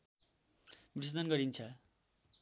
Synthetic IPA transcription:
bisd̪ʌnɡʌɾint͡sʰʌ

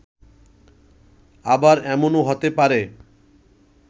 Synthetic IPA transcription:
abaɾɛmonoɦot̪epaɾe

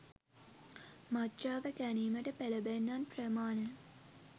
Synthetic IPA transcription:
matraːʋəkæniːməʈəpeləbenːanprəmaːnə

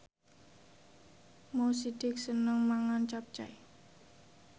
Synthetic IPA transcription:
mosid̥ɪk̚sənəŋmaŋant͡ʃap̚t͡ʃa̰j

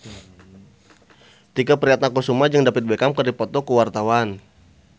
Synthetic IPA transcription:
t̪iɡapəɾiɦat̪̚nakusumad͡ʒəŋdapət̪̚bekamkərdipɔt̪ɔkəwart̪awan

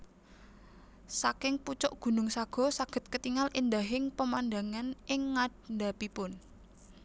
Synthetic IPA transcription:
sakɪŋput͡ʃɔʔɡ̥ṳnʊŋsaɡ̥ɔ̤saɡ̥ə̤t̪̚kət̪iŋalʔind̪a̤ɦɪŋpəmanda̤ŋanʔɪŋːad̪̚nd̪a̤pipʊn

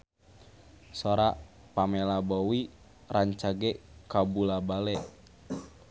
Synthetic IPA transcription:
soɾa | pamɛlabowi | raɲt͡ʃaɡɛkabulabalɛʔ

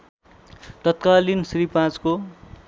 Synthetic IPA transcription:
t̪ʌt̪kalinsripãt͡sko

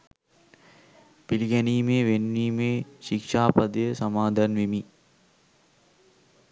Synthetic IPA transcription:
piliɡɛniːmeːʋenːiːmeːʃikʂaːpɐd̪əjəsɐmaːd̪ʱanʋimi

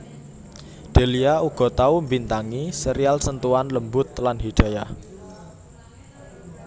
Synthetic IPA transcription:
ɖ̪̥e̤liauɡ̥ɔ̤t̪aumbint̪aŋisəɾialsənt̪uanləmbʊt̪̚lanɦiɖ̥a̤jah

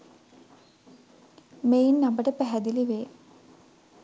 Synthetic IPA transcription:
mejinːambəʈəpæɦɛd̪iliʋeː

